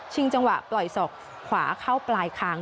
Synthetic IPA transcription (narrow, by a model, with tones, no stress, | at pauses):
t͡ɕʰi˧ŋt͡ɕa˧ŋwa˨˩ʔplɔ˨˩jsɔː˨˩kʰ | wa̰ː˩˦kʰa˥˩wplaː˧jkʰaː˦˥ŋ